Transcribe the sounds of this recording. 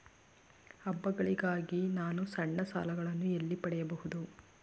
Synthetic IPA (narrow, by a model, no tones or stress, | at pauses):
ɐbːɐɡɐɭiɡaːɡinaːnusɐɳːɐsa̰ːlɐɡɐɭɐnːuelːipɐɽɛjɐbɐhud̪u